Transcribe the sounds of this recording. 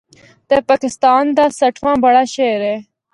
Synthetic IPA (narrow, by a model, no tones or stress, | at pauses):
t̪eːpaːkɪst̪aːnd̪aːsɐʈʰʋãːbɐɽaːʃejɾeː